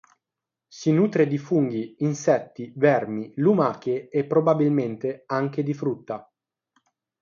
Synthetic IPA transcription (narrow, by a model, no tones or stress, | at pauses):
sinuːt̪ɾed̪ifuŋɡiːnsɛt̪ːivɛrmilumaːk̟eːpːɾobabilment̪eaŋk̟ed̪ifɾut̪ːa